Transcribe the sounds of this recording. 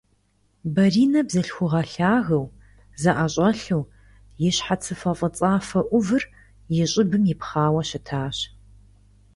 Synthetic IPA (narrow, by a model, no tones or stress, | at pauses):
bɐriːnɐbzɐɬxʷʊʁɐɬaːɣɐw | zɐʔɐɕʼɐɬuː | jɪɕħat͡sʰɨfɐqʼət͡sʼaːfɐʔʷʊvɨr | jɪɕʼɪbɨmjɪpχaːwɐɕɪtʰaːɕ